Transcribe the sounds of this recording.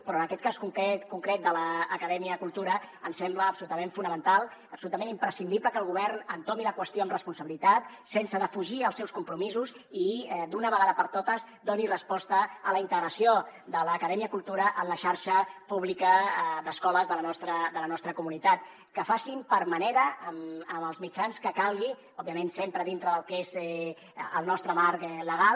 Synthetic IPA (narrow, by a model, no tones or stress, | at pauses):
pɾɔənəkɛt̪̚kaskuŋkɛt̪kuŋkɾɛt̪̚d̪ələːkəðɛmiəkulˠt̪uɾəənsɛmbləːpsulut̪əmeɱfunəmənt̪alˠəpsulut̪əmẽnimpɾəsind̪iβləkəlˠɣuβɛrnənt̪omiləkwəst̪joəmrəspunsəβilit̪at̪ | sensəðəfuʒiəlˠsɛwskumpɾumizuz | id̪unəβəɣaðəpəɾt̪ot̪əz | d̪onirəspɔst̪əələint̪əɣɾəsiod̪ələːkəðɛmiəkulˠt̪uɾəʔənləʃaɾʃəpuβ̞likəd̪əskɔləzðələnɔst̪ɾəd̪ələnɔst̪ɾəkumunit̪at̪̚ | kəfasimpəɾməneɾəːməməlˠzmit͡ʃanskəkalˠɣi | ɔbiəmensempɾəðint̪ɾəðəlˠkez | ə̰lˠnɔst̪ɾəmaɾkləɣ̞alˠ